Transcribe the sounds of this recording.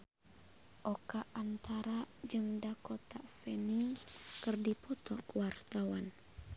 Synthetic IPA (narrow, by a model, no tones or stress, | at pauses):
ʔɔkaʔːnt̪aɾad͡ʒɨŋdakɔt̪afɛniŋkɨrdipɔt̪ɔkuwart̪awan